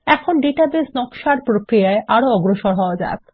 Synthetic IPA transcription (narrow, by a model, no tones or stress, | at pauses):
ɛkʰonɖeʈabesnɔkʃaɾpɾokɾijaeʔaɾoɔɡɾoʃoɾɦɔoad͡ʑa̰et̪